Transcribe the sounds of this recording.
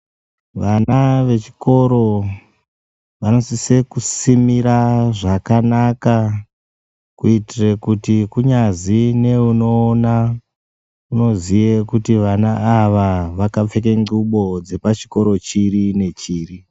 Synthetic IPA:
ʋanaʋe̞t͡ʃi̥ko̞ɾo̞ | ʋano̞sise̞kusimiɾaʐakanaka | kuitirekutikuɲazineuno̞ːna | uno̞zijekutiʋanaːʋaʋakap͡fe̞k̬eŋɡuɓo̞d͡ze̞pat͡ʃi̥ko̞ɾo̞t͡ʃirine̞t͡ʃiːri

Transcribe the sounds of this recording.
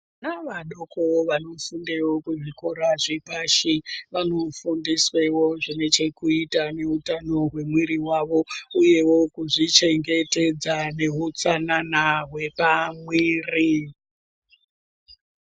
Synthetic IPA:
naʋaɗokoʋano̞fundewo̞kuʐikoɾaʐipaʃiʋano̞fundiswe̞wo̞ʐine̞t͡ʃe̞kuitane̞utano̞ɦwe̞mwiɾiwaʋo̞uje̞wo̞kuʐit͡ʃe̞ŋɡe̞te̞d͡zane̞ɦut͡sananaɦwe̞pamwiːri

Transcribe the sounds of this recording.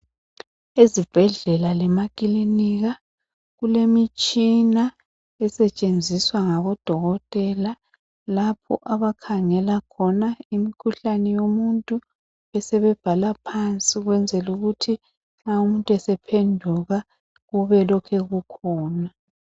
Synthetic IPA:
ezib̥ʱɛɮɛlalɛmakʼiliniɣa | ɣulemit͡ʃʼina | ɛsɛt͡ʃʼend͡zʱiswaŋaβɔd̥ʱɔɣɔtʼɛla | lapʰɔ̰ʔaβakʰaŋɛlakʰɔnaimikʰuɬanɛjomuntʼu | ɛsɛβɛb̥ʱalapʰant͡sʼiɣwɛnd͡zʱɛluɣutʰi | ŋ͡ǁaumuntʼwɛsɛpʰendʱuɣa | ɣuβɛlɔkʰɛɣukʰɔːna

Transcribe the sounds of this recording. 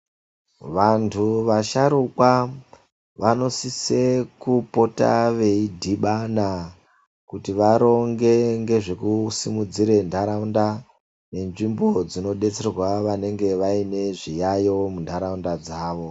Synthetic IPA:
ʋantʰuʋaʃaɾukwa | ʋano̞sise̞kupo̞ta̰ʋe̞idʱiɓana | kutiʋaɾo̞ŋɡe̞ŋɡe̞ʐekusimud͡ziɾe̞ndʱaɾaunda | ne̞nʐimbo̞d͡zino̞ɗe̞t͡se̞rwaʋane̞ŋɡe̞ʋaine̞ʐijajo̞mundʱaɾaundad͡zaːʋo̞

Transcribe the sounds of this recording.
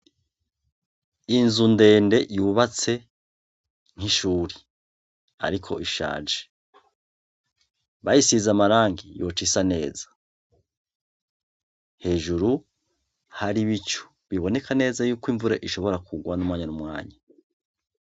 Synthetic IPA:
inzunde̞ːnde̞juβat͡se̞ | ŋ̥hiʃuːɾi | a̰ɾikʰo̞̰ʔiʃa̰ːd͡ʒe̥ | βajisizamaɾaːŋɡijo̞t͡ʃisane̞ːzḁ | he̞ːʒuɾu | haɾiβit͡ʃu̥ | βiβo̞ne̞kʰane̞ːzajuːkwiɱvuɾeʔiʃo̞βo̞ɾakʰuɡwanumŋwaːɲanumŋa̰ːɲa

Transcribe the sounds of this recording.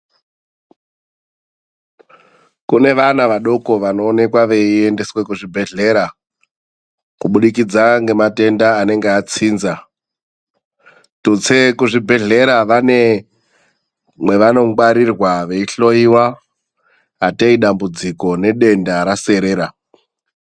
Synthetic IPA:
kune̞ʋanaʋaɗo̞ko̞ʋano̞ːne̞kwaʋe̞ie̞nde̞swe̞kuʐibʱe̞ɮe̞ɾa | kuɓuɗikid͡zaŋɡe̞mate̞ndaːne̞ŋɡeat͡siːnza | tut͡sekuʐibʱe̞ɮe̞ɾaʋane̞ | mwe̞ʋano̞ɡwaɾirwaʋe̞iɬo̞iwa | teiɗambud͡ziko̞ne̞ɗe̞ndaɾase̞ɾe̞ːɾa

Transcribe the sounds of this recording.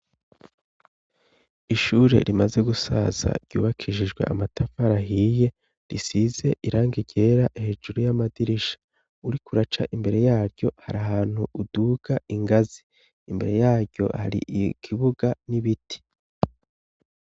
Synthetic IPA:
iʃuːɾe̞̰ɾimaze̞ɡusa̰z̥a̰ɾɟ̥ṵːβakʰiʃiʒɡwe̞̰ʔamatʰafaɾaɦije̞ | ɾisize̞ʔiɾaːŋɡiɟe̞ɾaʔehe̞ːd͡ʒuɾujamadiɾiʃḁ | uɾikuɾat͡ʃaʔimbe̞ɾe̞jaːɾɟo̞haɾaɦaːn̥huʔuduːɡ̥aiŋɡaziː | mbe̞ɾe̞jaːɾɟo̞̰ha̰ɾḭʔkʰiβuɡaniβitʰi̥

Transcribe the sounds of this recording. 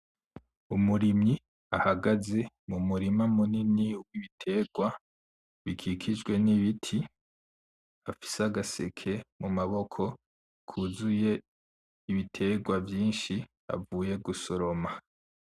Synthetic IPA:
umuɾimi | ahaɡaze̞ | mumuɾimamuniniuwiβitʰe̞ːɡwa | βikʰikʰid͡ʒɡwe̞niβitʰi | afi̥seaɡasekʰe̞mumaβo̞kʰo̞ | kʰuzuje̞ | iβitʰe̞ːɡwavjiːnʃi | a̰vuːje̞ɡuso̞ɾo̞ma

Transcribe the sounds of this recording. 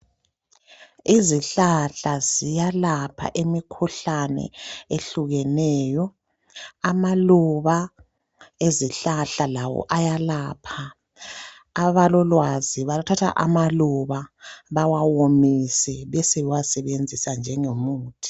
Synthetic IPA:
iziɬaɬazijalapʰa̰ʔemikʰuɬanɛ̰eɬuɣɛnɛːjɔ | amaluβa | eziɬaɬalawɔ̰ʔajalaːpʰa | βalɔlwaziβalutʰatʰa̰ʔa̰maluβaβawawomisɛβɛsɛwasɛβend͡zʱisand͡ʒʱɛŋemuːtʰi̥

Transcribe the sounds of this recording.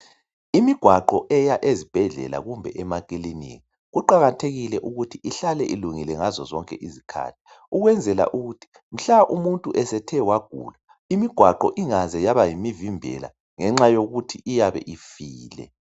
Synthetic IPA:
imiɡ̥ʱwaǃɔʔɛjaʔezib̥ʱɛɮɛ̰la̰ɣumbʱɛʔɛmakʼilinḭɣi | ɣuǃaɣatʰeɣilɛʔuɣutʰiʔiɬalɛʔiluŋilɛŋazɔzɔŋkʼɛ̰ʔizikʰa̰ːtʰi̥ | uɣwɛnd͡zʱɛla̰ʔuɣutʰi̥ | m̩ɬaʔumuntʼuʔɛsɛtʰɛwaɡ̥ʱṵːla | imiɡ̥ʱwaǃɔʔiŋazɛjaβajimivimbʱɛ̰la̰ | ŋɛŋ͡ǁajoɣutʰiʔijaβɛ̰ʔifiːlɛ̰

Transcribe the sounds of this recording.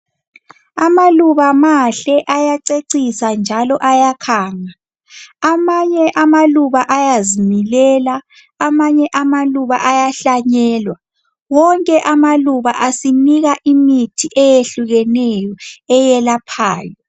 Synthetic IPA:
amaluβamaɬɛʔajaǀeǀisand͡ʒʱalɔʔajakʰaːŋa | amaɲɛʔamaluβaʔajazimilɛlaː | maɲɛʔamaluβaʔajaɬaɲɛːlwa | wɔŋkʼɛʔamaluβaʔasiniɣaʔimitʰiʔɛjeɬuɣɛnɛjɔɛjɛlapʰa̰ːjɔ

